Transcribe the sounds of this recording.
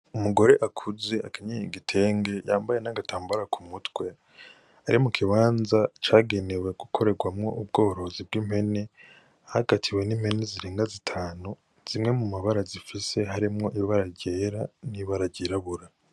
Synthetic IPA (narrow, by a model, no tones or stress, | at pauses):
umuɡo̞ɾe̞ʔakʰuze̞akiɲeiɡitʰe̞ːŋɡe̞jaːmbaje̞naɡataːmbaɾakʰumutɡwe̞ | aɾimukʰiβaːnzat͡ʃaːɡe̞ne̞we̞ɡukʰo̞ɾe̞ɡwamŋo̞̰ʔub̚ɡo̞ːɾo̞zibɡiːm̥he̞ne̞ | ahaɡ̥atʰiwe̞niːmhe̞neziɾeːŋɡazitʰaːnu | z̥imŋe̞mumaβaɾazifise̞ɦaɾimŋo̞ʔiβaɾaɟeɾaniβaɾaɟeɾaβuɾa